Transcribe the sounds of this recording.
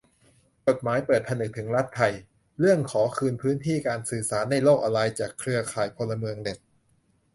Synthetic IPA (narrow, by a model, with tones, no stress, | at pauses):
t͡ɕo˨˩t̪̚maː˩˦jpɤː˨˩t̪̚pʰa˧nɯ˨˩k̚t̪ʰɯ˩˦ŋɾa˦˥t̪ʰːa˧j | ɾɯ˥˩əŋkʰɔː˩˦kʰɯː˧npʰɯː˦˥nt̪ʰiː˥˩kaː˧nsɯː˨˩saː˩˦nːa˧˩jloː˥˩k̚ʔa˧ɾa˧jt͡ɕaː˨˩kʰːɾɯ˧ɐkʰaː˨˩jpʰo˧lːa˧mɯ˧əŋde˨˩k̪̚